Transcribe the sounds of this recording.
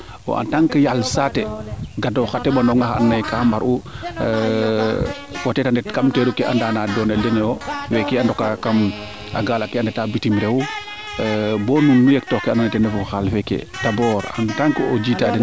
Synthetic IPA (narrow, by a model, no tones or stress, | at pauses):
ɔ̰ʔa̰ntaŋkəjalsatɛɡadɔxatːɛbandɔŋɡaxa̰nːajkambaɾu | watɛtandɛtkamtɛɾukɛʔa̰ndaːnaːdɔːnɛldɛnɛɔwɛkɛandɔkakam | ʔa̰ɡaːlakɛandɛtabitimɾɛwu | bɔnunːujɛk̚tɔkɛananɛtɛnɛfuxalfɛkɛ̰ | tabɔɾa̰ntaŋkəod͡ʒitadɛ